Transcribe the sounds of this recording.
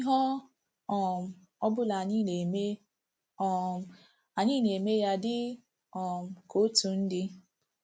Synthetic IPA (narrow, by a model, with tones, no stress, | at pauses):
i˦ɦɔ˦ | ɔ˨m̩˨ | ɔ˦bʊ˦la˨ɲi˦e˨me˦˨ | a˨ɲi˦ne˨e˨me˦ja˦dɪ˦ | ɔ˨m̩˨ko˦tu˨n̩˦dɪ˦